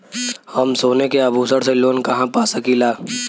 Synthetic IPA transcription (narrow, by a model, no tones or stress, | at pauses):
hɐmsoːnekeɐbʱuːsəɽseloːnkɐɦãpaːsəkilaː